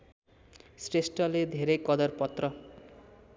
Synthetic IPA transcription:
sresʈʌled̪ʱeɾʌjkʌd̪ʌrpʌt̪rʌ

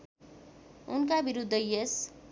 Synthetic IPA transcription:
unkabiɾud̪ʱːʌjes

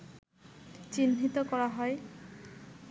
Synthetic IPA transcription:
t͡ɕinɦit̪ɔkɔɹaɦɔj

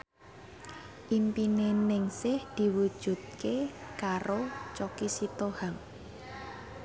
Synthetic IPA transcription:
ʔimpinenɪŋsɪhd̪̥i̤wud̥ʒ̥ṳt̪̚kekaɾot͡ʃɔkisit̪ohaŋ

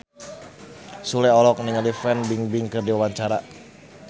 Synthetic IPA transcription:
sulɛɔlɔk̚niŋalifɛnbiŋbiŋkɨrdiwawaɲt͡ʃaɾa

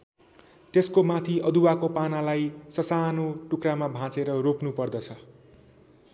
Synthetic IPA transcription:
t̪eskomat̪ʰiʌd̪uwakopanalajsʌsanoʈukramabʱãt͡seɾʌropnupʌrd̪ʌt͡sʰʌ

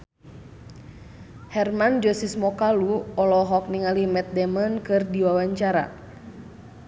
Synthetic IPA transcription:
hɛrmand͡ʒɔsismɔkaluɔlɔɦɔk̚niŋalimɛt̪̚dɛmənkɨrdiwawaɲt͡ʃaɾa̰

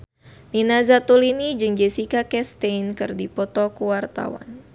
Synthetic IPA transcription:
ninazat̪ulinid͡ʒɨŋd͡ʒɛsikakɛst̪einkɨrdipɔt̪ɔkuwart̪a̰wa̰n

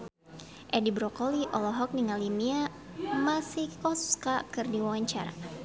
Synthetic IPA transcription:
ʔɛdibɾɔkɔliʔɔlɔɦɔk̚niŋalimia | masihkɔsu̥skakɨrdiwawaɲt͡ʃa̰ɾa̰

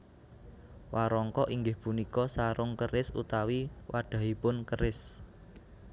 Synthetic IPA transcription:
waɾɔŋkɔʔiŋɡɪhpunikɔsaɾʊŋkəɾɪsṵt̪awiwaɖ̥ä̤ɦipʊnkəɾɪs

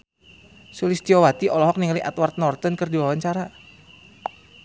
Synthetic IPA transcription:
sulist̪iɔwat̪iʔɔlɔɦɔk̚niŋaliʔa̰t̪wart̪̚nɔrt̪ɔnkɨrdiwawaɲt͡ʃaɾa

